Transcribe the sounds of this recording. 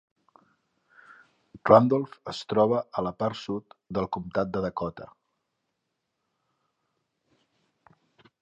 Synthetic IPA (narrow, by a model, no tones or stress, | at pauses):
rand̪olˠfəst̪ɾɔβ̞əələpaɾsut̪d̪əlˠkumt̪at̪̚d̪əðəkɔt̪ə̰